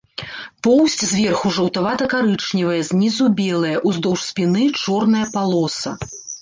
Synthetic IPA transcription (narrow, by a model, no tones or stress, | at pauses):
pɔwsʲt͡sʲzʲvʲɛrxuʐɐwt̪avat̪ɐkaɾɨt͡ʂnʲivɐjɐzʲnʲizubʲɛlˠɐjɐʔuzd̪ɔwʂsʲpʲinɨit͡ʂɔrnɐjɐpalˠɔsɐ̰